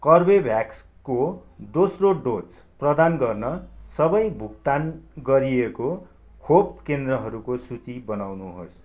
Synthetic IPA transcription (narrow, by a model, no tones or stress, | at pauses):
kʌrbebʱjakskod̪osroɖot͡sprʌd̪anɡʌrnʌsʌbʌjbʱuk̚t̪anɡʌɾieko | kʰob̚kend̪rʌɦʌɾukosut͡sibʌnawnuɦo̰s